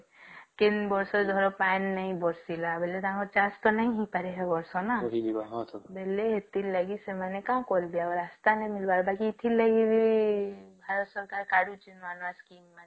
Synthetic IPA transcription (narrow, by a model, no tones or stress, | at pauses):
kenbɔɾsɔd͡ʒɔɾɔpanːaĩbɔɾsilabeled̪ãkɔt͡ʃast̪ɔnaĩɦĩpaɾeɦɛbɔɾsɔnaiaɦt̪ʰbeleɦet̪illaɡisemanekãkɔlbijaɔɾast̪anɛmilbaɾbakiːt̪ʰilaɡibiibʱaɾɔt̪sɔɾkaɾkaɽut͡ʃinanaskimːa